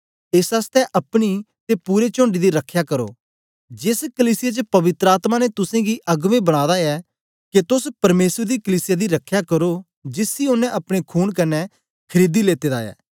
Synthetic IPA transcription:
ɪsast̪ɛʔɐpɽ̃i | t̪epuːɾet͡ʃõːɳɖid̪iɾɐkʰːjakɐɾo̰ː | d͡ʒɪskəliːsɪjat͡ʃəpɐʋɪt̪ɾəaːt̪manet̪ʊsẽɡiʔɐɡʋẽbɐɽ̃aːd̪aɛ | ket̪ʊspɐɾmeːsəɾd̪ikəliːsɪjad̪iɾɐkʰːjakɐɾo | d͡ʒɪsiʊnɛ̃ʔɐpɽ̃ekʰuːɽkɐnɛ | kʰɐɾiːd̪ileːt̪eːd̪a̰ːɛ̰ː

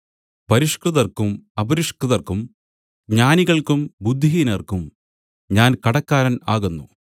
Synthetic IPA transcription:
pɐɾiʂkrɨðɐrkumɐbɐɾiʂkrɨðɐrkum | ɡɲaːniɣɐɭkumbud̪ʱːiinɐrkum | ɲaːnkɐɽɐkːaːɾɐnaːɣunːṵ

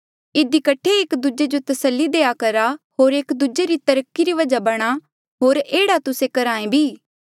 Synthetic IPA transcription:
ɪd̪ikɐʈʰːeɪːkd̪ud͡ʒed͡ʒot̪ɐsəlːid̪eːakɐɾaɦoːɾeːkd̪ud͡ʒeɾit̪ɐɾəkːiɾiʋɐd͡ʒabɐɽ̃a | ɦoːɾeːɽat̪ʊsẽkɐɾãːẽbʱiː

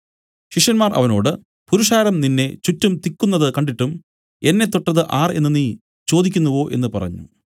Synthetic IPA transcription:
ɕiʂjɐnmaːrʔɐ̰ʋɐno̞̰ːɽɨ | puɾuʂaːɾɐmninːe̞t͡ɕutːumt̪ikʲːunːɐðɨkɐɳɖiʈːum | e̞nːe̞t̪ːoʈːɐðɨʔaːre̞̰nːɨniː | t͡ɕo̞ːd̪ikʲːunːuʋo̞ːʔe̞̰nːɨpɐrɐ̰ɲːṵ

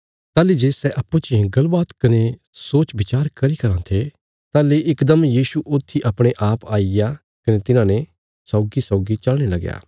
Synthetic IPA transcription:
t̪aːlid͡ʒeːsɛʔɐpːũt͡ʃɪẽɡɐlbaːt̪kɐne | soːt͡ʃbɪt͡ʃaːɾkɐɾikɐɾãt̪ʰe | t̪aːleʔɪkd̪ɐmjiːsuʔʊt̪ʰːiʔɐpɽ̃eʔaːpaːija | kɐnet̪ɪnãnɛ | sɔːɡisɔːɡit͡ʃɐlɽ̃elɐɡja̰ː

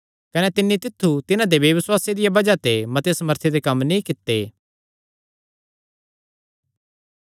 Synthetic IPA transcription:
kɐnet̪ɪnːit̪ɪt̪ʰːut̪ɪnãd̪eʋjɐʋɪswaːsed̪ɪjabɐd͡ʒat̪emɐt̪eesɐməɾt̪ʰed̪ekɐmnĩkɪt̪ːeː

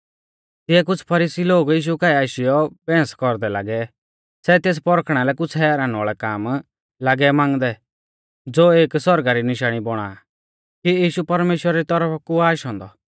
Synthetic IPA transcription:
t̪ɪɛk̬ʊt͡sʰpʰɐɾiːsiloːɡjiːʃ̬ukaːiaːʃɪjɔbɛ̃ːskɔɾd̪ɛla̰ːɡɛ | sɛt̪eːs̬pɔɾkʰɽ̃alɛkʊt͡sʰɦɛːɾaːnaːɭɛkaːm | laɡɛmãːŋɡd̪ɛ | d͡zoːeːksɔɾɡaɾinɪʃaːɽ̃ibɔɽ̃a̰ | kiiːʃupɐɾmeːʃwəɾaɾit̪ɔɾəpʰkuaːʃɦɔ̃ːnd̪ɔ

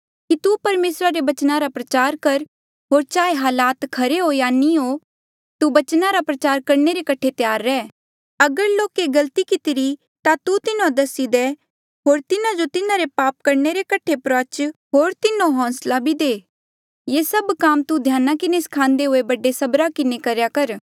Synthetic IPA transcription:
kit̪upɐɾmeːsɾaɾebɐt͡ʃnaɾapɾɐt͡ʃaːɾkɐɾ | ɦoːɾt͡ʃaːeɦaːlaːt̪kʰɐɾeɦojaːnio | t̪ubɐt͡ʃnaɾapɾɐt͡ʃaːɾkɐɾneɾekɐʈʰet̪jaːɾːɛː | ɐɡəɾloːkeɡɐlt̪ikɪt̪ɪɾi | t̪at̪ut̪ɪnõd̪ɐsid̪e | ɦoːɾt̪ɪnãd͡ʒot̪ɪnãɾepaːp̚kɐɾneɾekɐʈʰepɾɔːt͡ʃɦoːɾt̪ɪnõɦɔ̃ːslabʱid̪eː | jeːsɐbkaːmt̪ud̪ʱjaːnakɪneskʰãːnd̪eɦʊebɐɖesɐbɾakɪnekɐɾjakɐɾ

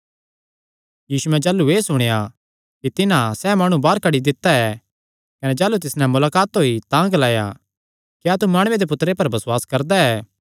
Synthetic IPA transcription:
jiːsuɛ̃d͡ʒaːlueːsʊɽ̃eja | kit̪ɪnãsɛːmaːɽ̃ũbaːɾkɐɽid̪ɪt̪ːaɛ | kɐned͡ʒaːlut̪ɪsnɛ̃mʊlaːkaːt̪ɦoːit̪ãɡɐlaːja̰ | kjaːt̪umaːɽ̃ʊed̪ep̬ʊt̪ːɾepɐɾbɐswaːskɐɾd̪aɛː

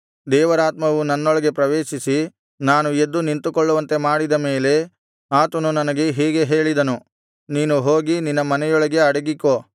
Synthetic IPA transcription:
d̪ɛːʋɐɾaːt̪mɐʋunɐnːɔɭɐɡe̞pɾɐʋeːʃisi | naːnued̪ːunint̪ukɔɭːɐʋɐnt̪e̞maːɽid̪ɐme̞ːle̞ | aːt̪ɐnunɐnɐɡe̞ɦiːɡe̞ɦe̞ːɭid̪ɐnu | niːnuɦoːɡininːɐmɐnɛjɔɭɐɡe̞ɐɽɐɡikːoː

